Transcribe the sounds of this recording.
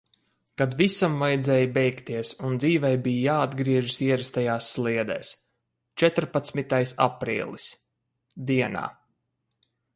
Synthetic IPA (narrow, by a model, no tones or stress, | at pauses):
kad̪visamvajd̪zɛːjbɛjkt̪iɛsund̪ziːvɛjbijjaːad̪ɡɾiɛʒisiɛɾɛst̪ajaːsːlˠiɛd̪ɛ̰ːs | t͡ʃɛt̪ɾpat̪smit̪ajsa̰pɾḭːlˠis | d̪iɛna̰ː